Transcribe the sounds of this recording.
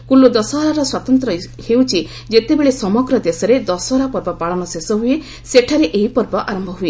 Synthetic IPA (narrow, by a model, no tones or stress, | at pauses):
kulud̪ɔsɔɦɾaɾɔswat̪ɔnt̪ɾɔ | hewt͡ʃʰi | d͡ʒet̪ebeɭesɔmɔɡɾɔd̪esɔɾed̪ɔsɦɾapɔɾbɔpaɭɔñɔsesɔɦue | seʈʰaɾeʔeipɔɾbɔʔaɾɔmbʱɔɦue